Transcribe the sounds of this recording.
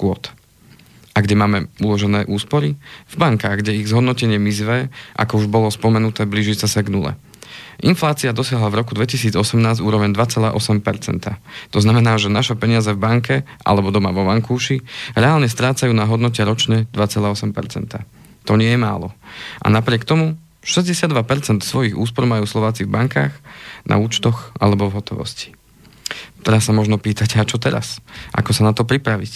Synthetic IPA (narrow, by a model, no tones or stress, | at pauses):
kʊɔt̪ | ʔaɡɟɛmaːmɛulɔʒɛnɛːʔuːspɔɾivbaŋkaːɣɡɟɛiɣzɦɔd̪nɔcɛɲɪɛmizʋɛːʔa̰kɔuʒbɔlɔspɔmɛnut̪ɛːbliːʒisɛsaɡnulɛ̰ | ʔinflaːt͡siad̪ɔsɪaɦlavɾɔkud̪ʋɛcisiːd͡zɔsɛmnaːzɟuːɾɔʋɛɲd̪ʋat͡sɛla̰ːʔɔsɛmpɛɾt͡sɛnt̪at̪ɔznamɛnaːʒɛnaʃɛpɛɲɪazɛvbaŋkɛʔa̰lɛbɔd̪ɔmaʋɔʋaŋkuːʃiɾɛaːlɲɛst̪ɾaːt͡sajuːnaɦɔd̪nɔcɛɾɔt͡ʃɲɛd̪ʋat͡sɛlaːɔsɛmpɛ̰ɾt͡sɛ̰nt̪a | t̪ɔɲɪɛjɛma̰ːlɔʔa̰napɾɪɛkt̪ɔmu | ʃɛzɟɛsɪad̪ʋapɛɾt͡sɛnt̪sʋɔjiɣṵːspɔɾmajuːslˠɔʋaːt͡sivbaŋkaːxnʔa̰uːt͡ʃt̪ɔxʔa̰lɛbɔvɦɔt̪ɔʋɔ̰sci̥ | t̪ɛɾasːamɔʒnɔpiːt̪acat͡ʃɔt̪ɛɾa̰sʔa̰kɔsanat̪ɔpɾipɾaʋic